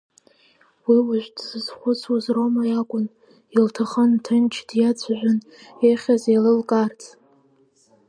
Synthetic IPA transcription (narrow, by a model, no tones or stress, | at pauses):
wiwaʒʷᶣdzɨzχʷʊt͡sʰwuzromajakʷʼʊn | iltʰaχəntʰɨnt͡ʃʰdjat͡sʷʰʒᶣʷʊn | eχʲazelɨlkʼart͡sʰʼ